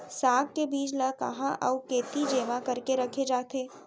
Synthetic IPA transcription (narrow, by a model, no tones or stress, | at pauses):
saːɡ̚kebiːd͡ʒlakɐɦãʔəukeːt̪id͡ʒeːʋãkɐɾkeɾɐkʰed͡ʒaːt̪ʰeː